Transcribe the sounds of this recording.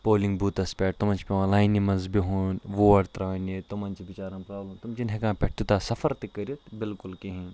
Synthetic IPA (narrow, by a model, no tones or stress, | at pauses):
poːlĩŋɡbʱuːt̪ɐspʲɛːʈ̚t̪umɐnt͡ʃʰpʲeʋãlaːjnimɐnzbiɦuːnʋoːɐɽt̪ɾaːnet̪umɐnt͡ʃibit͡ʃaːɾɐmpɾaːblɐmt̪umt͡ʃinɦekãːpʲɛʈ̚ʰt̪ut̪aːsɐfɐɾt̪ikɐɾiot̪bɪlkʊlkiɦĩn